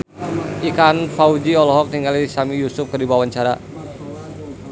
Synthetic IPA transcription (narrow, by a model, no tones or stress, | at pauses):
ʔikanfaud͡ʒiɔlɔɦɔk̚niŋalisamijusʊp̚kərdibawaɲt͡ʃaɾa̰